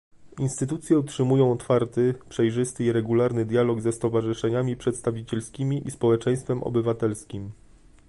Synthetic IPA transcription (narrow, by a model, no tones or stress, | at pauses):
inst̪ɘt̪ut̪sʲjɛutʂɘmujɔ̃w̃ɔt̪faɾt̪ɘpʂɛjʐɘst̪ɘiɾɛɡulaɾnɘd̪ʲjalɔɡzɛst̪ɔvaʐɘʂɛɲamʲipʂɛt̪st̪avʲit͡ɕɛlskʲimʲiʔispɔwɛt͡ʂɛ̃j̃st̪fɛmɔ̰bɘvat̪ɛlskʲim